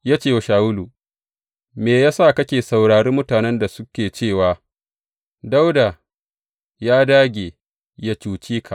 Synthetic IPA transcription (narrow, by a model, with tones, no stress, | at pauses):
jaː˦t͡ʃeː˦˨wa˨ʃaː˨wʊ˦lu˨ | meː˨jaː˦sa˦˨kɐ˦kʲeː˨sa˨wɽaː˨ɽeː˦mʊ˦taː˨nɛ˦nda˨sʊ˦kʲeː˨t͡ʃeː˦˨waː˨ | da˦wda˨ | jaː˦daː˦ɡʲeː˨ | ja˦t͡ʃuː˨t͡ʃiː˦kʰa˨ʔ